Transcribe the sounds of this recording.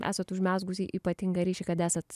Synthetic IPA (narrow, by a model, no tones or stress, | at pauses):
ʔæ̰ːsɐt̪ʊʒʲmʲæːzɡʊsʲiʔiːpɐt̪ʲɪŋɡɐɾʲɛːʃʲɛkɐt̪æːsɐt̪